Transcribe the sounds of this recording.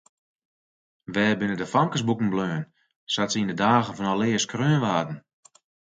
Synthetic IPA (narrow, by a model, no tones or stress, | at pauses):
ʋɛːbɪnədəfaŋkəsbukŋ̩bløːən | satsəindədaːɣənfɔnɔlɪəskrøːənʋaːdn̩